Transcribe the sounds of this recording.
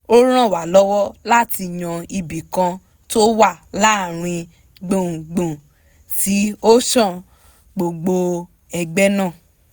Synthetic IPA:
o˦ɾ̃ã˦˨wa˨lɔ˦wɔ˦la˦˨ti˧˨j̃ã˧i˧bi˨kã˧ | to˦wa˦˨la˨˦˨ɾ̃ĩ˧ | ɡ͡bõ˨ɡ͡bũ˨ | ti˨˦o˦ʃã˦˨ | ɡ͡bo˧ɡ͡bo˧ | ɛ˧ɡ͡bɛ˦nãː˦˨

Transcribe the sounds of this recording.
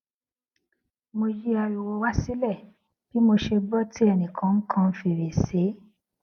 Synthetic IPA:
mo˧ji˦a˧ju˨wo˧wa˦si˦lɛ˦˨ | b̥i˨˦mo˧ʃe˧bɔ˦ti˦ɛ˧nĩ˨kʰã˨˦ŋ̩˦kʰã˧˦fi˧˨ɾe˨se˨˦

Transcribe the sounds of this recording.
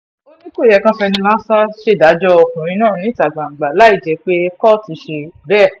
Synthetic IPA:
o˦nĩ˦ko˦˨jɛ˧˨kã˦fɛ˧nĩ˧la˦sa˦ʃe˦˨da˨˦d͡ʒɔ˦ɔ˧kũ˨ɾ̃ĩ˧˦nãː˦˨nĩ˨˦ta˨ɡ͡bã˨ŋ͡m̩˨ɡ͡ba˨la˨˦i˦˨d͡ʒɛ˨˦k͡pe˦kɔ˦˨ti˨˧˦ʃe˧bɛ˦˨

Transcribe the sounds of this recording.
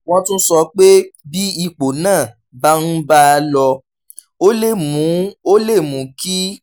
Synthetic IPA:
w̃ɔ̃˧tũ˦sɔ˧k͡pe˦bi˦i˦˧k͡po˨nãː˦˨ | ba˦n̩˦ba˦˧lɔ˧ | o˦le˦˨mũ˨˦o˦le˦˨mũ˨˦ki˦

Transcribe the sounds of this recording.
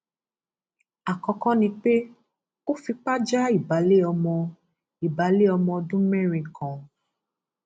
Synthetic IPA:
a˨kɔ̃˧kɔ̃˦nĩ˧k͡pe˦ | o˦fi˧k͡pa˦d͡ʒa˦i˦˨ba˨˦le˦ɔ˧mɔ̃˧ | i˨ba˨˦le˦ɔ˧mɔ̃˧dũ˦mɛ˦ɾ̃ĩ˧kʰɔ̃˨

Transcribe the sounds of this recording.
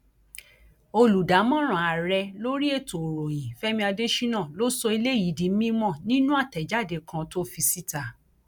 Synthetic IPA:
o˧lu˨da˨˦mɔ̃˦ɾ̃ã˨a˨ɾɛ˧lo˦ɾi˦e˦˨to˨ɾo˨j̃ĩ˨fɛ˦mĩ˧a˧de˦ʃi˦nã˦˨lo˦sɔ˧i˧le˦˨i˨˦di˧˦mĩ˦mɔ̃˦˨nĩ˦nũ˦a˦˨tɛ˨d͡ʒa˦˨de˧kʰã˧to˦fi˧si˦ta˨

